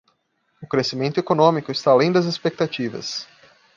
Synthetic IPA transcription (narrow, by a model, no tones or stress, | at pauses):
ʊkɾesimẽnt̪ʊekonõmikʊɪst̪aalẽj̃d̪ɐzespek̚t̪at͡ʃivɐ̰s